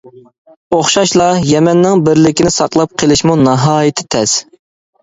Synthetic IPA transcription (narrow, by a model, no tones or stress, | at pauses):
oχʃɑʃlˠɑjɛmɛnːɪŋbɪɾlɪkʲɪnɪsɑqlˠɑp̚qʰelˠɪʃmunɑɦɑːjit̪ʰɪ̥t̪ʰɛs